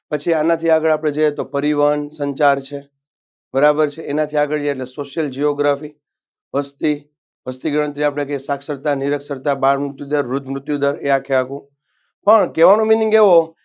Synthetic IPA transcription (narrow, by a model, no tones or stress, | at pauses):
pət͡ʃʰianat̪ʰiaɡəɭapɽ̃ed͡ʒəjet̪opəɾiʋəənsəɲt͡ʃaɾt͡ʃʰe | bəɾabəɾt͡ʃʰeːnat̪ʰiaɡəɭd͡ʒeːʈlesoʃjəld͡ʒioɡɾafi | ʋəst̪i | ʋəst̪iɡəɽə̃nt̪ɾiapɽ̃ekesaksəɾt̪aniɾəksəɾt̪abaɾmɾʊt̪jud̪əɾʋɾʊt̪ʰmɾʊt̪jud̪əɾeakʰeakũ | pəɳkeʋañõminiŋɡeʋo